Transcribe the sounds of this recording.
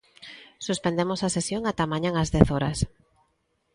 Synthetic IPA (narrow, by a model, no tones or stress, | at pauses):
suspend̪emosasesjoŋat̪amãɲãŋazðɛθɔɾɐs